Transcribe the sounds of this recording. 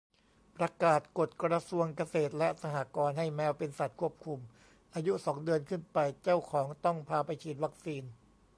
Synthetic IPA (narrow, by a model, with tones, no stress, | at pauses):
pɾa˧kaː˨˩t̪̚ko˨˩t̪̚kɾa˧su˧əŋka˧seː˨˩t̪̚lɛ˦˥ʔsa˧haː˨˩kɔː˧nɦa˥˩jmɛː˦˥wpe˧nsa˨˩t̪̚kʰu˥˩əp̚kʰu˧m | ʔaː˧ju˦˥sɔː˩˦ŋdɯ˧ənkʰɯ˥˩npa˧jt͡ɕa˥˩wkʰɔː˩˦ŋt̪ɔ˥˩ŋpʰaː˧pa˧jt͡ɕʰiː˨˩t̪̚wa˦˥k̚siː˧n